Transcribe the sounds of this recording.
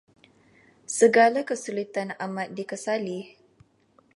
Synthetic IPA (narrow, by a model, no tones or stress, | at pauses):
səɡalakəsulit̪anamãt̪̚dikəsali